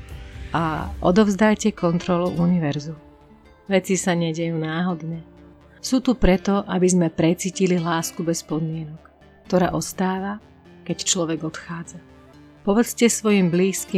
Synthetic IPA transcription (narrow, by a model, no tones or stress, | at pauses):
aʔɔ̰d̪ɔvzd̪ajcɛkɔnt̪ɾɔluʔuniʋɛɾzum | ʋɛt͡sisaɲɛɟɛjuːnaːɦɔd̪ɲɛ | suːt̪upɾɛt̪ɔʔabizmɛpɾɛt͡siːcililaːskubɛspɔd̪mɪɛnɔkː | t̪ɔɾa̰ːʔɔst̪aːʋa | kɛct͡ʃlɔʋɛɡɔt̪xaːd͡za | pɔʋɛt͡scɛsʋɔjimbliːski